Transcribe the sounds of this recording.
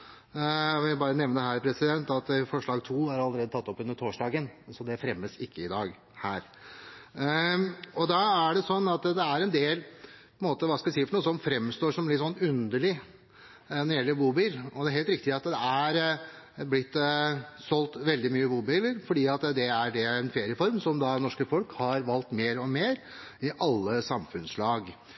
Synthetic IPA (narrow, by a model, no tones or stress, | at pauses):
ʋɪbɑːɾənɛʋnəəɦæːɾpʰɾɛsɪd̪ɛnt̪ɑt̪fɔʂɭɑːɡt̪ʰuːhɑɾɑlːəɾeːd̪ət̪ʰɑt̪ːɔpːʉnd̪əʈ̪ʰoːʂɖɑːɡənsɔd̪ɛfɾɛmːəsɪkʰːəɪd̪ɑːɡ | hæːɾ | ɔd̪ɑæɖɛsɔnːɑt̪d̪ɛæɾɛnd̪eːlpʰɔɛnmoːt̪əʋɑːskɑlsiːəfɔɳuːəsɔmfɾɛmːst̪oːʂɔmlɪt̪ːsɔnːʉnd̪əɭɪ | nɔɾɪjɛlːəɾbuːbɪlɔd̪ɛæɾɦeːlt̪ɾɪk̚t̪ɪɑt̪d̪ɛæɾ | blɪt̪ːsɔlt̪ʋɛld̪ɪmyːəbuːbɪlːəɾfɔɖiːɑt̪d̪ɛæɖɛɛnfeːɾɪəfɔɾmsɔmd̪ɑnɔʂkəfɔlkhɑɾʋɑlt̪meːɾɔmeːɾ | ɪʔɑlːəsɑmfʉnslɑːɡ